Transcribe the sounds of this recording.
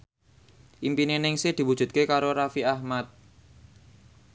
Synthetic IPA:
ʔimpinenɪŋsɪhd̪̥i̤wud̥ʒ̥ṳt̪̚kekaɾoɾafiahmat̪̚

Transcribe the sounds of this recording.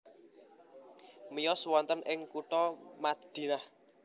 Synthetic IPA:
mijɔswɔnt̪ənʔɪŋkuʈ̪ɔmad̪̥i̤nah

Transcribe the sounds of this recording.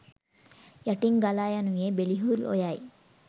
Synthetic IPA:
jaʈiŋɡalajanujebeliɦulo̰jaj

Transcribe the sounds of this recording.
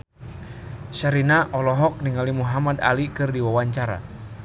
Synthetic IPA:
ʃaɾinaʔɔlɔɦɔk̚niŋalimuɦamada̰likɨrdiwawaɲt͡ʃaɾa̰

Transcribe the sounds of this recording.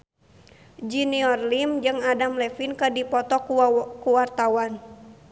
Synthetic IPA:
d͡ʒiniɔrlimd͡ʒɨŋadamlɛfinkədipɔt̪ɔkuwart̪awan

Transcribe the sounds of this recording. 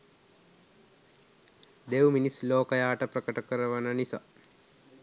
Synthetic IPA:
d̪ewminisloːkəjaːʈəprəkəʈəkəɾəʋənənisa̰

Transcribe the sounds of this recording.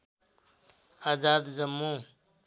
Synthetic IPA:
aːzaːd̪zɐmːũː

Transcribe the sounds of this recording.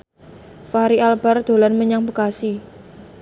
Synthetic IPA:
faɾialb̥a̤rd̪̥o̤lanməɲaŋpəkasi

